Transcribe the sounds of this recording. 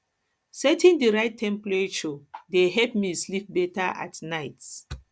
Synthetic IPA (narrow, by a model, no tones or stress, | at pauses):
sɛtĩndiɹaɪtʰːɛ̃mplet͡ʃodeɦɛpmislip̚bɛtaʔa̰tnaɪt